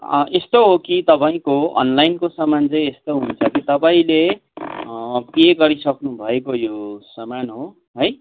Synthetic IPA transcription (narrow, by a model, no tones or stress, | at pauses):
ʌ̰ʔest̪oɦokit̪ʌpaĩkoʌ̰nlainkosʌmant͡sʌĩest̪oɦunt͡sʰʌkit̪ʌpaĩle | keɡʌɾisʌknubʱʌekojosʌmanɦo | ɦoj